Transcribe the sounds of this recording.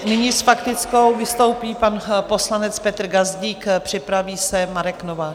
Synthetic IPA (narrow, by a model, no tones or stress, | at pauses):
nɪɲisfakt̪ɪt͡sko̞wvɪst̪o̞wpiːpanpo̞slanɛt͡spɛt̪r̩ɡazɟiːkpr̝̥ɪpɾaviːsɛmaɾɛknovaː